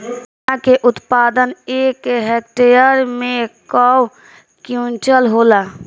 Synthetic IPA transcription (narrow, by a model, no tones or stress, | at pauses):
akeʔʊt̪paːd̪əneːkɦek̚ʈejəɾmẽkɔw | kjũnt͡ʃəlɦoːlaː